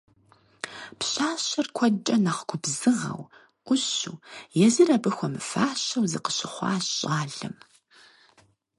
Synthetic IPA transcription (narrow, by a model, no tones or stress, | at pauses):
pɕaːɕɐrkʷʰɔt͡ʃʼɐnɐχɡʷʰʊbzɨʁɐ̰w | ʔʷʊɕuːjɛzirɐbɨxʷɔmɨfaːɕɐwzɨqə̥ɕɪχʷɑ̰ːɕɕʼaːɮɨ̰m